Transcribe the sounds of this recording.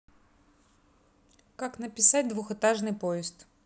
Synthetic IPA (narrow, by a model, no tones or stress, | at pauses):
kaknəpʲɪsat̚ʲd̪vʊxɨt̪aʐnɨjpoɪst̪